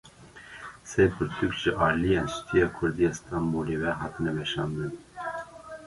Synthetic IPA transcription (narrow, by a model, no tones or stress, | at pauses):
sɛjpʰʊɾt̪ʰukʒɪʔɑːɾlijenʃt̪ʰijɑːkʰʊɾd̪ijest̪ʰɑmbuɾivɛɦɑːt̪ɨnɛvɛʃɑ̰ːnd̪ɨn